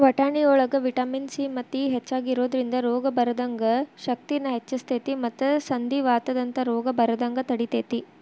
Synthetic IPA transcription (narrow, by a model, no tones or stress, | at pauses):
ʋɐʈaːɳiɔːɭɐɡɐʋiʈaːminsimɐt̪ːiɦet͡ʃːaːɡiɾoːd̪ɐɾind̪ɐɾɔːɡɐbɐɾɐd̪ɐŋɡɐʃɐk̚t̪inːɐɦet͡ʃːɐst̪ʰeːt̪imɐt̪ːɐsɐnd̪iʋaːt̪ɐd̪ɐnt̪ɐɾɔːɡɐbɐɾɐd̪ɐŋɡɐt̪ɐɽit̪eːt̪i